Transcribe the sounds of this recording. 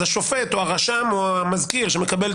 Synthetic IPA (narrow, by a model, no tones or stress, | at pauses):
aʃofet̪oaʁaʃamoamazkiʁʃeme̞kabel